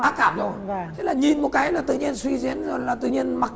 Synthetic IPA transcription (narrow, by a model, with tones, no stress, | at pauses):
aː˨˦˥kaː˧˩˨mzo˨˧˩t͡ɕʰe˨˦laː˨˩ɲi˨˩nmo˨˩t̚kaː˨˦jlaː˨˩t̪ɨ̰˧˨ɲi˧ənswi˧zḭ˧˥ənzo˨˩laː˨˩t̪ɨ̰˧˨ɲi˧ənma˨˩k̚